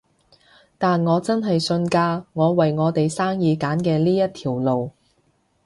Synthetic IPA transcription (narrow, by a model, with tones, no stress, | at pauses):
t̪aː˨nŋɔː˨˧t͡sɐ˥nɦɐ˨jsɵ˧nkaː˧ŋɔː˨˧wɐ˨jŋɔː˨˧t̪e˨jsaː˥ŋjiː˨˧kaː˨˥nkɛː˧liː˥jɐ˥t̚t̪ʰiː˨˩wlo˨w